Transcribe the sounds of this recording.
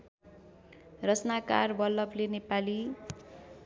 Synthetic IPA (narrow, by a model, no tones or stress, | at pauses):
rʌt͡snaka̰rbʌlːʌplenepali